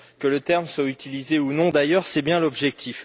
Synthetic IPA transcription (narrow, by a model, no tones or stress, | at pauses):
kələt̪ɛʁmswayt̪ilizeunɔ̃d̪ajœʁsɛbjɛ̃lɔbʒɛk̚t̪ʰif